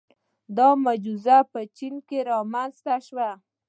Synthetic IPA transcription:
d̪ɑmad͡ʒuzapət͡ʃinkeɾɑmanzt̪aʃwa

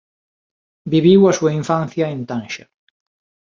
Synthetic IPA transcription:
biβiwasuaiɱfãn̟θjɐent̪ãnʃa

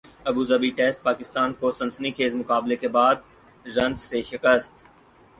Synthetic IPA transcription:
ɐbuːzɐbiʈeːsʈ̪̚paːkɪst̪aːnkoːsɐ̃nsnixʰeːzmʊkaːblekebaːd̪ | zɐ̃nzseːʃɪkəst̪

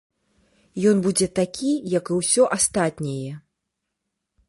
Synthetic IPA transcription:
jɔnbud͡zʲɛt̪akʲʰijɐkɨwsʲɔʔast̪at̪ʲnʲɛjɛ

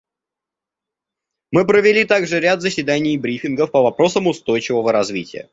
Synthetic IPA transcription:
mɨpɾəvʲɪlʲit̪aɡʐɨɾʲat̪zəsʲvʲɪd̪anʲɪjbɾʲifʲɪnɡəfpəvɐpɾo̞səmʊst̪o̞jt͡ɕɪvəvəɾɐzvʲitʲɪ̰jə̰

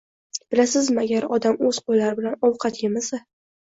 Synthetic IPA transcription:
b̥ɪlasɪzmɪaɡʲaɾɒd̪amɵzqojlaɾɪbɪlanɒwqʰɑt̪jʲɪmɪsa

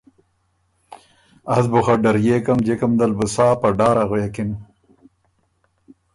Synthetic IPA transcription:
ɐzbuχɐɖɐɾjeːkɐmd͡ʑekɐmd̪ɐlbusaːpɐɖaːɾɐɣwjekim

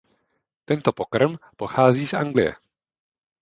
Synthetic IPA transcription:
t̪ɛnt̪opokrɾmpo̞xaːziːsʔa̰ŋɡlɪjɛ̰

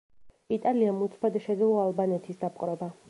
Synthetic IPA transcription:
it̪ʼaliamut̪sʰpʰad̪aʃɛd̪ilɔalˠbanɛt̪ʰisd̪apʼqʼɾɛba

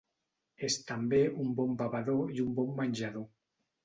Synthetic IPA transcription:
est̪ambeumbɔmbaβaðoiumbɔmːaɲʲʒaðo

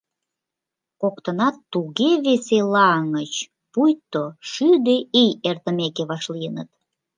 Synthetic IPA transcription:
kokt̪ənɑt̪ːuɣeβeselɑŋət͡ɕ | pujt̪ːoʃyd̪eejert̪əmekeβɑʃlijənə̰t̪̚

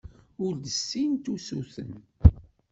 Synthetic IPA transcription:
ʊɾd̪əsːint̪usuθə̰n

